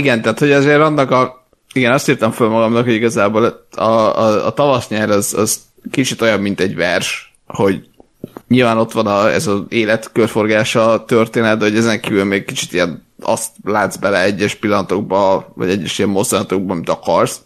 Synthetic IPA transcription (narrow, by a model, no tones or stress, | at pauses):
iɡɛnt̪æːt̪ho̞ɟɒzeːɾɒnːɒkɒ | iɡɛnɒst̪iːrt̪ɒɱfølmɒɡɒmnɒkhoɟiɡɒzaːboːlɒ̰ːt̪ɒvɒsɲɛɾɒzɒ̰z̥ | kit͡ʃit̪o̞jɒbmint̪ɛɟvɛrʃ | ho̞ɟ | ɲiːlvaːno̞t̪ʋɒnɒɛ̰zɒeːlɛt̪kørfo̞rɡaːʃɒt̪ørt̪eːnɛt̪̚bɛɦo̞ɟɛzɛŋkiːvylmeːɡ̚kit͡ʃi̥t̪ijɛnɒ̰st̪laːd̪zbɛlɛɛɟːɛʃpilːɒnɒt̪o̞ɡ̚bɒvɒ̰ɟɛɟːɛʃijɛmːo̞zd̪ɔnɒt̪oɡ̚bɒmit̪ɒkɒrs